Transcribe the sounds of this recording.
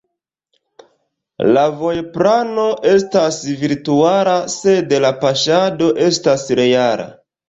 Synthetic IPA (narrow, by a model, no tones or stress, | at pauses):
lavo̞jpɾanoʔe̞stasviɾtuaɾase̞delapaʃado̞ʔe̞stasɾe̞jaɾa̰